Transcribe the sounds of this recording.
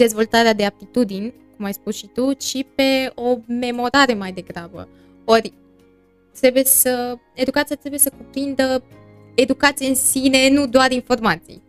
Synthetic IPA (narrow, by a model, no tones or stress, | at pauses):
d̪e̞zvo̞lt̪aɾead̪eap̚t̪it̪ud̪inʲkumajspusʃit̪uʃipe̞o̞me̞mo̞ɾaɾe̞majd̪e̞ɡɾabə̰ | o̞ɾʲ | t̪ɾe̞buje̞sə | e̞d̪ukat̪sijat̪ɾebuje̞səkupɾind̪ə | e̞d̪ukat̪sijeɨnsine̞nud̪oaɾinfo̞rmat̪sḭj